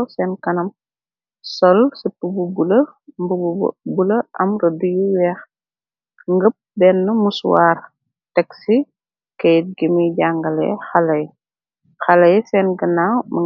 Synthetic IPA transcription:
sɛnkɐnɐm | sɔlsipububulɐmbubub̰bulɐʔɐmɾɐdujuwɛːx | ŋɡəp̚bɛnːəmuswaːr | tɛksi | kɐjt̚ɡimiɟaŋɡɐlɛ̰xɐlɐj | xɐlɐjsɛnɡənamɐ

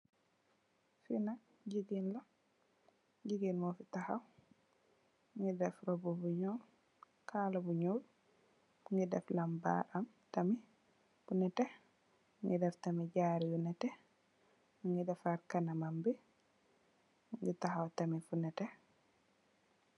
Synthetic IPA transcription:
fina | d͡ʒiɡinla | d͡ʒiɡinmɔfitahaw | ŋɡɛdɛfɾɔbɔbuɲol | kʰalabuɲol | ŋɡɛdɛflamba̰ʔam | tami | funɛtɛ | ŋɡɛdɛftamid͡ʒaɾibunɛtɛ | ŋɡɛdɛfaɾkanamambɛ | ŋɡɛtahawtamifunɛtɛ

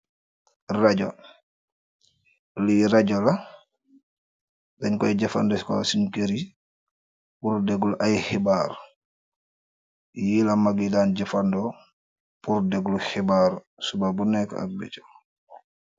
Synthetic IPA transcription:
raɟɔ | liɾaɟɔla | dɛɲkɔjɟafa̰ndɔskɔ̰sinkeɾi | puɾdɛɡuluʔajhibaːɾ | jilamaɡidaːnɟafandɔ | puɾdɛɡluxibaːɾ | subabunɛkːɔ̰a̰k̚bɛ̰t͡ʃɔ̥

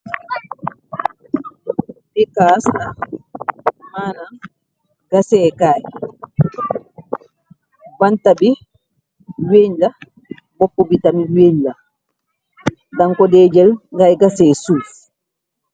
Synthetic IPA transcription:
bikasna | maːna | ɡasɛkaːj | bantabi | weːɲla | bɔpːɔbitamiweːɲla | daŋkɔdɛːd͡ʒɛlŋɡajɡasɛsuːf

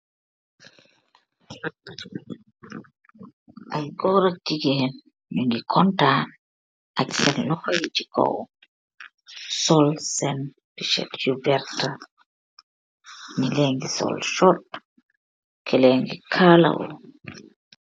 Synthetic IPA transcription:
ʔajɡɔɾatiɡɛn | ɲuŋɡikʰɔnta | ʔaksɛnlɔjit͡ʃi̥kʰɔ̰w | sɔlsɛn | piʃɛ̰tjubɛɾta | nilɛŋɡisɔ̰lʃɔt | kʰɛlɛŋɡikʰala̰wɔ̰

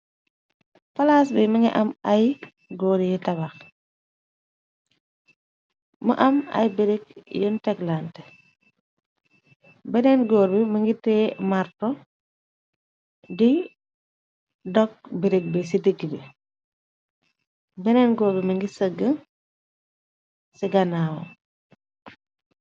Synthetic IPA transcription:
fɐlaːsbɛmɐŋɡiʔɐmɐj | ɡɔːɾijitɐbax | mɐ̰ʔɐmɐ̰jbiɾekjəntɛklaːntɛ | bɛnɛnɡɔːɾbimɐŋɡitɛːmaɾtɔ | di | dɔk̚biɾik̚bɛs̬idəɡːibi | bɛnɛnɡɔːɾbimɐŋɡisəɡːə | siɡɐnaːwo̰

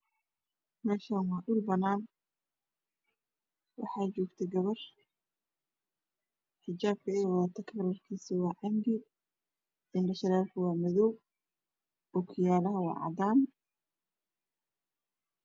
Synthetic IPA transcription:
mɛːʃaːnwɑʔʊlbɐnaːn | wɑ̰ħɑːt͡ʃɔːɡt̪ʰɛɡɐβɐr | ħɪt͡ʃaːb̚kʰɐɛwaːt̪ʰɐkʰbɐlɐrkʰiːnsɪwɑːʕɑŋɡɪ | ɪnɖɐʃɐɾaːlkʰʊwɑːmɐðɔw | ɔkʰɪjaːlɐɦɐwɑ̰ːʕɑ̰d̪aːn

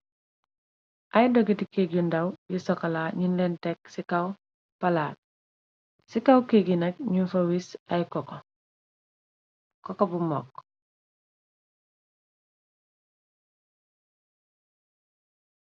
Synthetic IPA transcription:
ajdoɡitikeɡundawjisɔkalaɲinlentek̚sikaw | palaːɾ | sikawkeɡinacɲufɐwisajkoko | kɔkobumɔ̰ːk

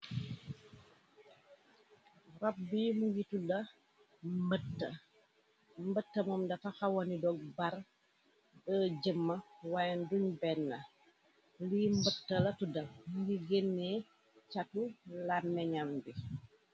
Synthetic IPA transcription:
rɔp̚bimujitudɐ | mbətːɐ | mbətːɐmɔmdɐfɐxɐwɔnidɔɡ̚bɐr | bəɟəmːɐwajnduɲbɛnːɐ | limbətːɐlɐtudɐmuɡiɡenːɛ | t͡ʃatulamːɛɲambi

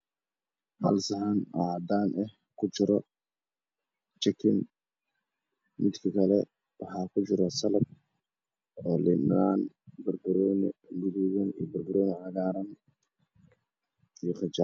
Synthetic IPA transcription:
hɐ̰lsɐɦanʔɑʕd̪aːnʔɛh | kʰʊt͡ʃɪɾɔ | t͡ʃɐkʰɪn | mɪd̪kʰɐkʰɐlɛ | wɑħɑːkʰʊt͡ʃɪɾɐsɐlɐb̚ | ɔːlɪbnaːn | bɐrbɐɾɔnmʊðuːɣɐnijɔbɐrbɐɾɔːjnɪʕɑɣaːɾɐn | ijɔχɪt͡ʃaː

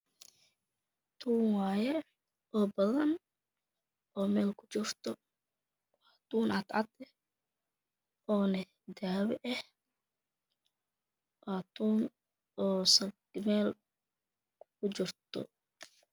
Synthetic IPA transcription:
t̪ʰuːŋwɑːjɛ | ʔɔːbɐðɐn | ɔːmɛːlkʰʊt͡ʃɪrt̪ʰɔ | wɑːt̪uːnʔɑt̪ʕɑd̪ɛh | ʔɔːnɐ | d̪aːwɛʔɛh | ʔat̪ʰuːn | ɔːsɐɡmɛːl | kʰʊt͡ʃɪrt̪ʰɔ̰

